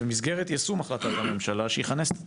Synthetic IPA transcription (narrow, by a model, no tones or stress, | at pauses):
emizɡeʁet̪jasumaχlat̪at̪hame̞mʃalaʃeiχanes